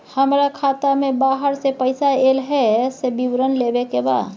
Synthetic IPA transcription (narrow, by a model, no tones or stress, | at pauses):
həmɾakʰaːt̪amẽbaːɦəɾsepəɪsaelɦɛsebiwɾənlebekeba̰ːd̪